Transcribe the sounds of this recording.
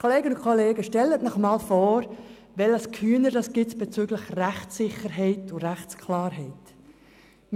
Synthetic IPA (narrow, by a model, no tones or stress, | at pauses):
kʰɔleːɡənʊnkʰɔleːɡəʃtɛlətnɔχmɑːlfɔːɾ | vɛləskʰyːnədɑsɡ̥ɪsb̥ɛt͡syɡlɪxræχt͡sːɪχəɾɦɛɪtʊɾæχt͡skʰlɑːɾɦɛɪt